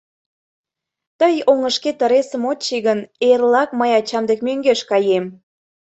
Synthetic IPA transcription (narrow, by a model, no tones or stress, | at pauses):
t̪əjoŋəʃket̪əɾesəmot͡ɕiɣənerlɑkməjɑt͡ɕɑmd̪ek̚møŋɡeʃkɑjem